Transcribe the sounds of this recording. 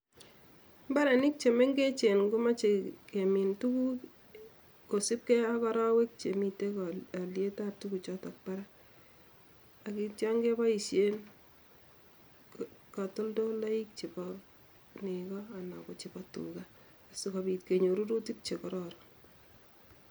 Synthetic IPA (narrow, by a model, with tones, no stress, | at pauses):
mba˦ɾɛ˨nɪ˦k̚t͡ʃe˨me˦ŋɡe˦t͡ʃe˨nɡu˦ma˦t͡ʃe˨ke˨mi˨ntu˦ku˦ | ko˨sɪ˦p̚kɛ˦a˦kɔ˦ɾa˦we˦k̚t͡ʃe˨mi˨te˦ka˨lje˦ta˦p̚tuku˨t͡ʃɔ˦ta˨k̚pa˦ɾa˦ | a˨ki˦t͡ʃa˦ŋɡe˦ba˦i˨ʃe˦n | ka˨to˦ldo˦la˦i˦k̚t͡ʃe˨pɔ | ne˨kɔ˦a˨na˨ko˨t͡ʃɪ˨bɔtṵɡaː˦˨ | sika˨bi˨tke˨ɲo˨ɾu˦ɾu˦ti˦k̚t͡ʃe˨kɔ˦ɾɔɾɔ